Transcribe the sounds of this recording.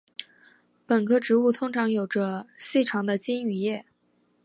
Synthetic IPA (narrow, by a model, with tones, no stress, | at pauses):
pə˨˩nkʰɤ˥ʈ͡ʂɻ̩˧˥u˥˩t̪ʰʊ˥ŋʈ͡ʂʰɑ˧˥ŋjo˨˩ʊʈ͡ʂə˦ɕi˥˩ʈ͡ʂʰɑ˧˥ŋd̪ə˧t͡ɕi˥ny˨˩jɛ˥˩